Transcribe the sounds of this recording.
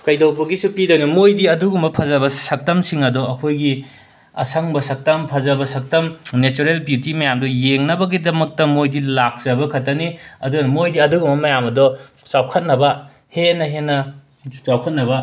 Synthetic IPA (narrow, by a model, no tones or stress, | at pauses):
kɐjdowpuɡisupidojnɐmojdiɐduɡumbɐpʰɐzɐβɐsɐk̚tɐmsiŋɐdɔɐkʰojɡi | ɐ̰sʰɐŋbɐsɐk̚tɐmpʰɐzɐbɐsɐk̚tɐmnet͡ʃuɾelbjutimɐjamdɔjeŋnɐbɐɡidɐmɐk̚tɐmojdilak̚z̥ɐbɐkʰɐtːɐniɐdunɐmojdiɐduɡumbɐmɐjamɐdɔ | sawkʰɐt̚nɐbɐ | henɐɦenːɐ | t͡ʃawkʰɐt̚nɐbɐ